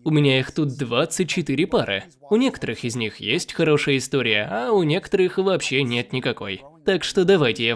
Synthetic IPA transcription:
ʊmʲɪnʲaixt̪ut̪̚d̪vat̪sɨt̚ʲt͡ɕːɪt̪ɨɾʲɪpaɾʔɨ̰ | ʊnʲe̞kə̥t̪əɾɨxɪzʲnʲixjesʲtʲxɐɾo̞ʂɨjəɪst̪o̞ɾʲɪjəaʊnʲe̞kə̥t̪əɾɨxvɐpɕːenʲe̞t̪nʲɪkɐko̞̰jt̪akʂt̪o̞d̪ɐvajtʲɪja

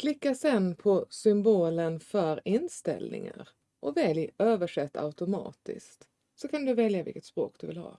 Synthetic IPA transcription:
kʰlɪkːasɛnpʰɔsʏmboːlənfœɾɪnst̪ɛ̰lnɪ̰ŋa̰ɾ | ʔɔvɛljʔøːvəʂɛt̪ːa̰ʊt̪ʊmɑ̰ːt̪ɪ̰skt̪ | sɔkʰand̪ɵvɛljavɪ̰kət̪spɾo̰ːk̚d̪ɵvɪlhɑ̰ː

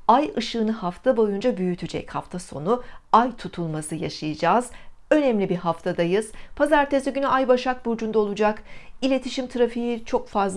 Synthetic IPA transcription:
ajɯʃɯːnɯhaft̪ʰabo̞jund͡ʒabyjyt̪ʰyd͡ʒɛ̰cha̰ft̪ʰaso̞nuajt̪ʰut̪ʰulˠmasɯja̰ʃajɯd͡ʒaːz | ø̞nɛmlʲibiɦaft̪ʰad̪ajɯz̥pʰazaɾt̪ʰezyɟynyʔajbaʃak̚buɾd͡ʒund̪ao̞lˠud͡ʒakilʲe̞t̪ʰiʃimt̪ʰɯɾafijit͡ʃʰo̞kfazl

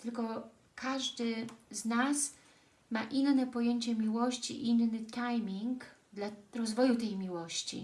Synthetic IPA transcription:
t̪ɘlkɔ | kʰaʐd̪ɘznas | maʔinːɛpɔjeɲt͡ɕɛmʲiwɔɕt͡ɕḭʔinnɘt̪ajmʲiŋk | d̪laɾɔzvɔjut̪̬ɛjmʲiwɔɕt͡ɕḭ

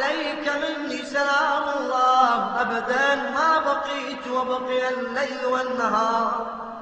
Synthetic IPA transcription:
lajkamɪnnisalaːmalˤːɑːʔabad̪anmaːbɑqiːt̪wabɑqɨjalːajlwanːaɦɑːɾˤ

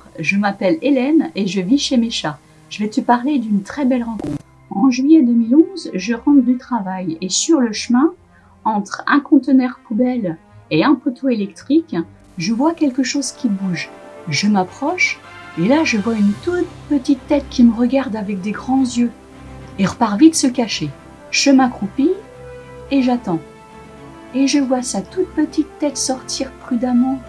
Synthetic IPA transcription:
ʒəmapɛlelɛneʒəviʃemeʃa | ʒ̥əvɛt̪əpaʁled̪ynt̪χɛbɛlʁɑ̃kɔ̃t̪χ | ɑ̃ʒɥijɛd̪əmilɔ̃zʒəʁɑ̃t̪d̪yt̪χavajesyʁləʃəmɛ̃ | ɑ̃t̪χɛ̃kɔ̃t̪ənɛʁpubɛleɛ̃pot̪ʰoelɛkt̪χik | ʒəvwakʲɛlkəʃozkʲibuʒʒəmapχɔʃelaʒəvwaynt̪ut̪pət̪it̪ːɛt̪kʲiməʁəɡaʁd̪avɛk̚d̪eɡʁɑ̃zjø | eʁəpaʁvit̪səkaʃe | ʒ̥əmãkχupi | eʒat̪ɑ̃ | eʒəvwasat̪ut̪̚pət̪it̪ːɛt̪sɔʁt̪iʁpχyd̪amɑ̃

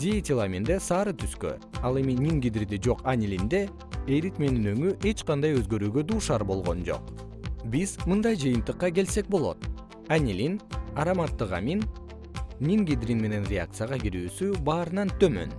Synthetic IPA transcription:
d̪ʲet̪ʲilˠamʲind̪esɑːɾɯt̪ʰyskø̰ɑlˠe̞minʲiŋɡʲid̪rʲid̪id͡ʒo̞qanʲilʲind̪e̞ | eɾit̪meninø̞ŋyʔe̞t͡ʃqɑnd̪ɑjø̞zɡø̞ɾyːɡø̞d̪uːʃɑɾbo̞lˠʁo̞̰nd͡ʒo̞̰q | bizmɯnd̪ɑjd͡ʒɯjɯnt̪ɯqːɑɡe̞lse̞k̚bo̞lˠo̞̰t̪ | anʲilʲinɑɾamat̪ːɯʁa̰min | nʲiŋɡʲid̪ɾinme̞ne̞nrʲea̰k̚t̪sɨjaʁɑɡiɾyːsybɑːɾɯnɑnt̪ʰø̞mø̞̰n

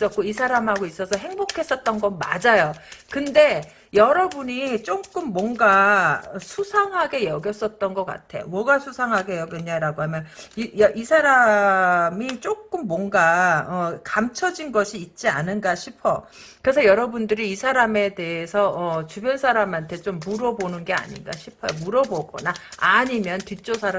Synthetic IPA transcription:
s͈ʌt̚k͈oisʰaɾamɦaɡois͈ʌsʰʌɦe̞ŋbokʰe̞s͈ʌt̚t͈ʌnɡʌnma̰d͡ʑajokɯnde̞ | jʌɾʌbuɲit͡ɕ͈ok͈ɯmːwʌŋɡaʌsʰusʰaŋɦaɡe̞jʌɡjʌs͈ʌt̚t͈ʌnɡʌk͈a̰tʰe̞jo̰mʌɡasʰusʰaŋɦaɡe̞jʌɡjʌɲaɾaɡoɦamjʌniʌʔisʰaɾa | mit͡ɕ͈ok͈ɯmːwʌŋɡaʌkamt͡ɕʰʌd͡ʑinɡʌɕʰiːt̚t͡ɕ͈ianɯnɡaɕʰipʰʌ | kɯɾe̞sʰʌjʌɾʌbundɯɾiːsʰaɾame̞te̞esʰʌʌt͡ɕubjʌnsʰaɾamantʰe̞t͡ɕ͈omːuɾʌbonɯnɡe̞a̰ɲinɡa̰ɕʰipʰʌjomuɾʌboɡʌ̰naaɲimjʌntit͡ɕ͈osʰaɾ

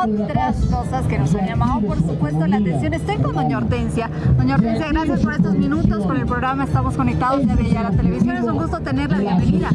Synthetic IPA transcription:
ot̪ɾasko̞saske̞nosaɲʝamaðopoɾsupwe̞st̪olat̪ensjo̞nest̪ojŋkonðoɲaoɾt̪ensja | ðoɲaoɾt̪e̞nsjaɣɾasjaspo̞ɾe̞st̪o̞zmĩnut̪o̞skone̞lpɾoɣɾamaest̪amosko̞nek̚t̪aðozðeaβjaʝaɾat̪eleβ̞isjo̞nessuŋɡust̪ot̪e̞ne̞ɾlaβje̞mbeniða

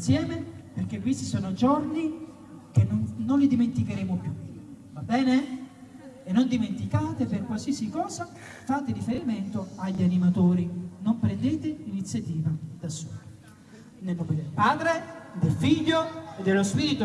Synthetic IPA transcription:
nsjɛːmeperk̟ekwist̪isɔːnod͡ʒɔrni | k̟enononlid̪iment̪ikeɾeːmopju | vabɛːneː | nːond̪iment̪ikaːt̪eperkwalsiːasikɔːza | faːt̪ɪɾifeɾiment̪oaʎːanimat̪oːɾinompɾend̪eːt̪ɪinit̪sːjat̪iːvad̪̥asṵːl | nelnɔːmed̪elpaːd̪ɾed̪elfiʎːoed̪ːelospiːɾit̪o

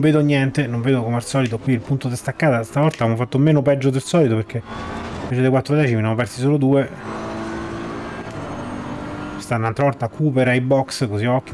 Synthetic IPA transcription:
veːd̪oɲjɛnt̪enoɱveːd̪okomalsɔːlit̪okwiilpunt̪od̪est̪akːaːt̪ast̪avɔlt̪aːvemofat̪ːomeːnopɛd͡ʒːod̪elsɔːlit̪opeɾk̟eiveːt͡ʃed̪ejkwat̪ːɾod̪ɛːt͡ʃiminjamopɛrsisoːlod̪uːe | st̪anːnalt̪ɾavɔlt̪akʰupeɾajbɔkskoziɔkː

